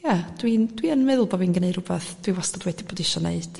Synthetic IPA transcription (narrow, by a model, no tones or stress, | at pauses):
jad̥wind̥wiənmɛðʊlˠboːvinɡəneɨ̥hʊbɛθd̥wiwastɔdwɛdiboːdɪʃɔneɨd̥